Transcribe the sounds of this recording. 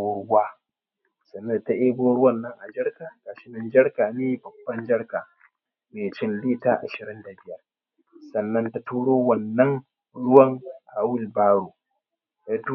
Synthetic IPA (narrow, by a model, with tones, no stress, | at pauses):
waː˦ | sɐ˨nːɐ˦dta˦ʔeː˦boː˦ɽʊ˦wɐ˦˨nːɐ˦ŋʔa˨d͡ʒɐ˦ɽkaː˨ɡaː˨ʃɪ˦nɪ˨nd͡ʒɐ˦ɽkaː˨niː˦bɐ˨bːɐ˦nd͡ʒɐ˦ɽkaː˨ | meː˨t͡ʃɪ˦nliː˦taː˦ʔa̰˨ʃɪ˨ɾɪ˦nda˨bɪ˦jɐ˦r | sɐ˨nːɐ˦nta˦tuː˦ɽoː˦wɐ˨nːɐ˦ŋ | ɽʊ˦wɐ˦˨ŋʔa˨wʊ˦lbaː˦ɽuː˨ | ja˦tu˦